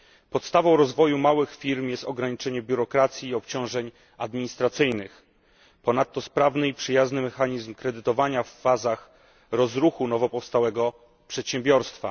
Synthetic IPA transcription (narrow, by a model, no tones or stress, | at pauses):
pɔt̪st̪avɔ̃w̃ɾɔzvɔjumawɘxfʲiɾmjɛst̪ɔɡɾaɲit͡ʂɛɲɛbʲjuɾɔkɾat̪sʲjiːɔpt͡ɕɔ̃w̃ʐɛɲ | ad̪mʲiɲist̪ɾat̪sɘjnɘx | pɔnat̪ːɔspɾavnɘipʂɘjaznɘmɛxaɲizmkɾɛd̪ɘt̪ɔvaɲafːazax | ɾɔzɾuxunɔvɔpɔfst̪awɛɡɔ | pʂɛt̪ɕɛmbʲjɔɾst̪fa̰